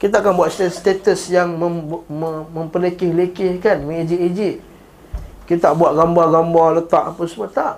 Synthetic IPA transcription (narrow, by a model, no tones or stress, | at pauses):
kit̪aakanbuat̪̚st̪est̪et̪əsjaŋməməməmpəlekɪhlekɪhkanmĩid͡ʒiʔid͡ʒiʔ | kit̪aʔbuat̪̚ɡambaɡambalət̪aʔapəsəmat̪aʔ